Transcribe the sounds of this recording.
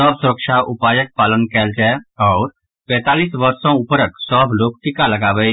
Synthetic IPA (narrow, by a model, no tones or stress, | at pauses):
əbsʊɾəkʃaʔʊpaːjək̚paːlənkɛld͡ʒaɔːɾ | pɛ̃ːt̪aːliːsʋəɾsõʊpəɾəksɔːbʱloːk̚ʈ̪ikalɐɡaːʋə